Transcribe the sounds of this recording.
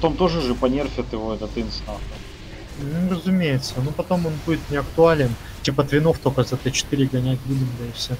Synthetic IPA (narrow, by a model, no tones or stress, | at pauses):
pɐt̪omt̪o̞ʐɨʐɨpɐnʲerfʲɪt̪ɪvoɛt̪ət̪ɨnsnaxə | m̩ɦrəzʊmʲejɪt̪sːənupɐt̪o̞mo̞nbudʲɪt̪nʲɪɐkt̪ʊalʲɪn | tʲipət̪vʲɪno̞ft̪okəzɛt̪ət͡ɕɪ̥t̪iɾʲɪɡɐnʲætʲlʲidʲɪmd̪əjɪfsʲe